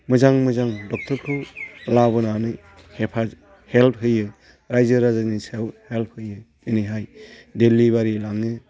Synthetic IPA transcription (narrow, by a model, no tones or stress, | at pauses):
mɯzaŋmɯzaŋdɔk̚tʰɔɾkʰɯwlabɯnanɯ | hepʰa | help̚ɦɯjɯ | ɾajzɯɾazanisewhelp̚ʰhɯjɯ | ɯniɦajdeliβaɾilaŋɯ